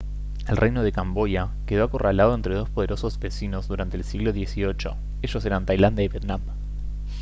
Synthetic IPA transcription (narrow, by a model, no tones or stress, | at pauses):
elrʔejnoð̞e̞kambo̞ja | keð̞oako̞ralaðo̞ent̪ɾe̞ðo̞spo̞ð̞e̞ɾo̞sozbe̞sino̞zðuɾant̪eːlsiɣlo̞ðje̞sio̞t͡ʃo̞̰ | e̞ʃo̞s̬e̞ɾant̪ajland̪jaiβjet̪nam